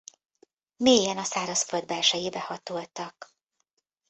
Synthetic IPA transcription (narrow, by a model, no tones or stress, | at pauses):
meːjɛnɒsaːɾɒsføld̪̚bɛlʃɛjiːbɛhɒt̪oːlt̪ɒk